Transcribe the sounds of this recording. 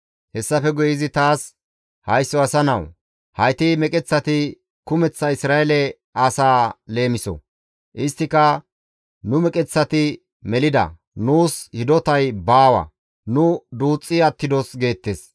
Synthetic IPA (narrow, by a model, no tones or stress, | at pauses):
hɛsːɐfɛɡɔjɪzɪt̪aːs | hɐjsːɔɐsɐnɐw | hɐjt̪ɪmɛkʼɛt͡sːɐt̪ɪ | kʊmɛt͡sːɐɪsɾaːɛlɛ | ɐsaːle̞ːmɪsɔ̰ | ʔɪst̪ːɪkɐ | nʊmɛkʼɛt͡sːɐt̪ɪ | mɛlɪd̪ɐ̰ | nuːshɪd̪ɔt̪ɐjbaːwɐ̰ | nʊd̪uːt͡sʼːɪɐt̪ːɪd̪ɔsɡe̞ːt̪ːes